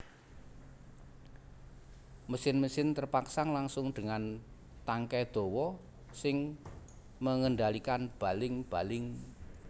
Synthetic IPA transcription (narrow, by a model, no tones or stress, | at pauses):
məsɪnməsɪnt̪ərpaksaŋlaŋsʊŋd̪̥əŋan | t̪aŋkɛd̪̥o̤wɔ | sɪŋ | məŋəɳɖalikanb̥a̤lɪŋb̥a̤lɪŋ